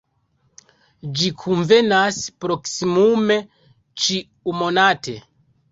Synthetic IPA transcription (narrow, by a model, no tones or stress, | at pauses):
d͡ʒikʰunve̞naspɾo̞ksimume̞ | t͡ʃi | umo̞natʰe̞̰